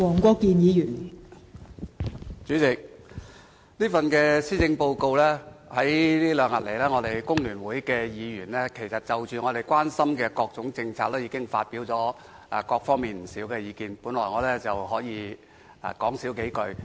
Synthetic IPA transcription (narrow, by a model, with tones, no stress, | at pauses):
wɔː˨˩ŋkʷɔː˧kːiː˧njiː˨˧jyː˨˩n | t͡ʃyː˨˥t͡sɪ˨k̚ | niː˥fɐ˨nkɛː˧siː˥t͡sɪ˧ŋpo˧wko˧wlɛː˥hɐ˨˥jliː˥lœː˨˧ŋɐ˨t̚le˨˩jlɛː˥ŋɔː˨˧ɾe˨˩jkʊ˥ŋlyː˨˩nwuː˨˥jkɛː˧jiː˨˧jyː˨˩nlɛː˥kʰe˨˩jsɐ˨t̚t͡sɐ˨wt͡ʃyː˨ŋɔː˨˧ɾe˨jkwaː˥nsɐ˥mkɛː˧kɔː˧k̚t͡sʊ˨˥ŋt͡sɪ˧ŋt͡sʰaː˧k̚lɛː˥jiː˧kɪ˥ŋfa̰ː˧t̚piː˨˥wt͡sɔː˨˥˨ | kɔː˧k̚fɔː˥ŋmiː˨˩nm̩˨˩siː˨˥wkɛː˧jiː˨˧kiː˧npuː˨˥nlɔː˨˩jŋɔː˨˧lɛː˥t͡sɐ˨wɦɔː˨˥jḭː˨˧˨ | kɔː˨˥ŋsiː˨˥wke˨˥jkɵ˧ɥ